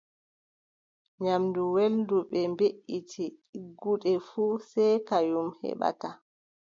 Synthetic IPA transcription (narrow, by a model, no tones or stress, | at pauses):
ɲamduwelduɓɛmbeʔːitʰiɡuɗɛfuːsɛjkajumhɛ̰ɓa̰ta